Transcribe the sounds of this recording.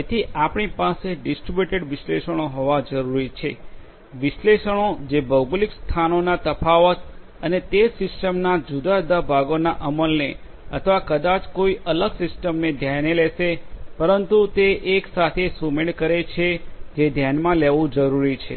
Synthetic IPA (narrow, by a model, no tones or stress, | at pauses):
et̪ʰiʔapɳ̃ipaseɖɪsʈɾibjuʈeɖʋɪʃleʃəɽ̃oɦoʋad͡ʒəɾuɾit͡ʃʰe | ʋɪʃleʃəɽ̃od͡ʒebʱəwɡlikst̪ʰanonat̪əpaʋət̪ | ənet̪esɪsʈəmnad͡ʒud̪ad̪abʱaɡonaʔəməlne | ət̪ʰʋakəd̪at͡ʃkoiʔələɡsɪsʈəmned̪ʱjaneleʃepəɾənt̪ut̪eʔːksat̪ʰesumeɽkəɾet͡ʃʰed͡ʒed̪ʱjanmãleʋũd͡ʒəɾuɾit͡ʃʰḛ